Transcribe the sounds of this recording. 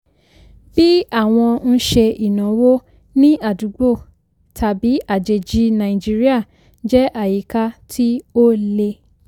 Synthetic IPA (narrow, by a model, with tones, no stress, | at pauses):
b̥i˦a˦˨w̃ɔ̃˧n̩˦ʃe˧i˨nã˨˦wo˦ | nĩ˦a˦˨du˨˦ɡ͡bo˦˨ | tʰa˨bi˨˦ʔa˦˨d͡ʒe˨d͡ʒi˦nã˨ĩ˨d͡ʒi˦ɾi˦a˦˨ | d͡ʒɛ˦ʔa˦˨ji˨ka˧tʰi˦o˦le˧